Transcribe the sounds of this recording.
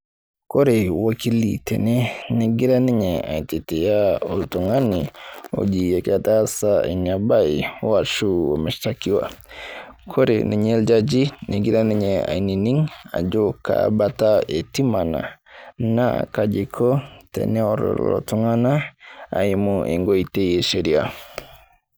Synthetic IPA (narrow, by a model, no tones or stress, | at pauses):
koɾewakilḭtʰɛ̰nɛneɡiɾaniɲɛa̰ititejaoltuŋanio̰d͡ʒiekatasaiɲabaiwat͡ʃuomɛʃtakiwa̰ | kʰoɾḛniɲɛld͡ʒad͡ʒineɡiɾaniɲɛa̰ininiŋa̰d͡ʒoka̰bataetimana̰na̰kad͡ʒikʰɔtɛ̰nɛɔɾɔ̰lɔ̰tuŋanaa̰imuʔḛŋɡoiteeʃeɾia